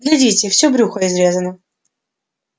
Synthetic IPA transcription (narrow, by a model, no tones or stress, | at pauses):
ɡlʲɛdʲitʲɪfsʲobɾʲuxəɪzɾʲezənə